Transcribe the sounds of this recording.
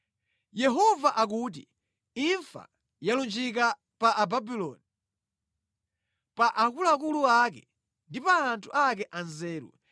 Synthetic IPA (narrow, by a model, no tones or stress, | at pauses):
jɛɦɔvaʔak̬uːt̬i | iɱfa̰ | jalund͡ʒik̬a | paʔːbabilɔːni | paʔakulak̬uluakɛ̰ | ndipaːntʰuʔakɛʔanzɛːɾṵ